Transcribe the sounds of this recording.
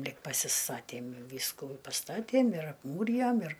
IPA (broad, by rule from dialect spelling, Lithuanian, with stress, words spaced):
ˈlʲɪk pɐsʲɪˈstɑːtʲeːm ˈʋʲiːskuː ɪ pɐˈstɑːtʲeːm ɪr ɐpˈmuːrʲɪjoːm ɪr